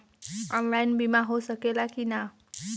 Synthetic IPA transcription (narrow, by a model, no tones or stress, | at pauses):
amɾajnbimãɦosəkelakina